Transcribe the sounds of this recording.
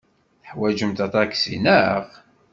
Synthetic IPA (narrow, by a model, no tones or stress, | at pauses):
θəħwæd͡ʒəmt̪ɑt̪ˤɑksḭnəʁ